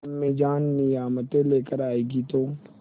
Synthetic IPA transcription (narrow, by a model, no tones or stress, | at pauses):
mẽːd͡ʒaːnːɪijaːmət̪ẽleːkəɾaːeːɡit̪oː